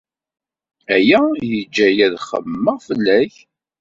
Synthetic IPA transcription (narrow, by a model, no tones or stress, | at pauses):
æjæjəd͡ʒːæjæðχə̰mːəʁfəlːæç